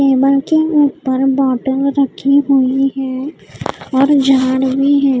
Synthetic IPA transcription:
keːbəlkeuːpəɾbɔːʈə̃lɾəkʰiɦuiɦɛ̃ː | ɔːɾd͡ʒʱaːɽwiɦɛ̃ː

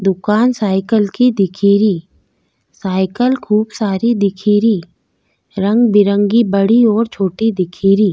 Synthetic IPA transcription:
d̪ʊkaːnsaːɪkəlkid̪ɪkʰiːɾiː | saːɪkəlkʰuːbsaːɾid̪ɪkʰiːɾiː | ɾə̃ŋɡbɪɾə̃ŋɡibəɽiɔːɾt͡ʃʰoːʈid̪ɪkʰiːɾiː

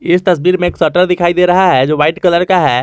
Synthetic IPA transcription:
ɪst̪ɐsbiːɾmẽeːksɔːʈəɾd̪ɪkʰaːid̪eːɾɐɦaɦɛd͡ʒoːʋaːɪʈkɐləɾkaɦɛː

